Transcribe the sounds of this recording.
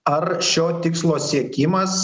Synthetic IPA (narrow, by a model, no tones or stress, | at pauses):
ɐɾʃʲoːt̪ʲɪkslˠoːsʲiɛkʲɪmɐs